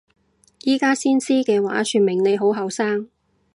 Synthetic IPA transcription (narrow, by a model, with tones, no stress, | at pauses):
jiː˥kaː˥siː˥nsiː˥kɛː˧wa̰ː˨˥syː˨tmɪ˨˩ŋne˨˧jɦo˨˥wɦɐ˨wsaː˥ŋ